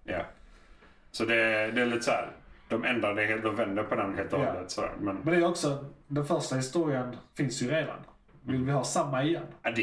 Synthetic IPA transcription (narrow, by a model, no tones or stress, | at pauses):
ja̰ | sɔd̪ɛd̪ɛːlit̪ːsæ̰ːɾd̪̥ɔmɛnd̪ɾaɾd̪ɛheːlt̪ɔvɛnd̪əɾpʰɔnɛheːlt̪ːd̪ət̪sɔd̪æ̰ɾmɛnmɛnd̪ɛæɾɔksɔd̪ɛnfœɾʂʈahɪst̪uːɾɪənfɪnsjɵɾeːd̪a̰n | vɪlvɪɦɑːsamːaɪjɛnːd̪